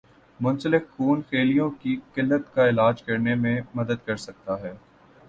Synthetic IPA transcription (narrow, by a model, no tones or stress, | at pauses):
mʊ̃nsəlɪkxuːnxeːlijõkikɪlːət̪kaɪlaːd͡ʒkɐɾnemẽmɐd̪əd̪̚kɐɾsɐk̚t̪aɦɛː